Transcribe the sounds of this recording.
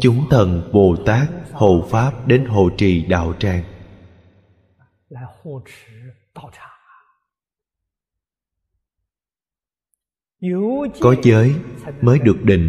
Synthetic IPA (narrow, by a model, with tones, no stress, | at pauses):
t͡ɕʊ˨˦ŋ͡mt̪ʰə˨˧˩nɓo˨˩t̪aː˦˥k̚ho˧˩faː˦˥p̚ɗe˨˦nɦo̰˧˩t͡ɕḭ˧˨ɗa̰ː˧˨wt͡ɕaː˧˩ŋ˧˦ | xu˥˧˩ʈ͡ʂ̩ʰ˧˥˦t̪ʈ͡ʂʰa˧˥˦ | kɔ˨˦zəː˨˦jməː˨˦jɗɨ˨˩ək̚ɗḭ̈˧˩ŋ̟